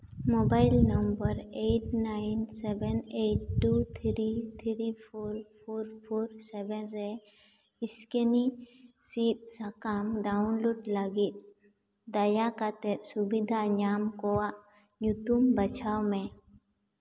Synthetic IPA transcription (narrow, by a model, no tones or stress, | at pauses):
mobaɪlnɐmbəɾeːʈnaɪnsɛbɛneʈ̚ʈːut̪ʰɾit̪ʰɾipʰoɾpʰoːɾpʰoːɾsebɛnɾɛ | ɪskenisit̪̚sakamɖaʊnloːɖlaɡit̪̚ | d̪ɐjakat̪eɾsubid̪ʱaɲaːmkowaʔ | ɲut̪umbɐt͡ʃʰawmẽ